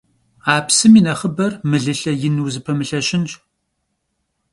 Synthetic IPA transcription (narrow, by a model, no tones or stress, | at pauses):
aːpsɨmiːnɐχəbɐrmɨɮɨɬɐjɪnuːzɨpʰɐmɨɬɐɕɪnt͡ʃ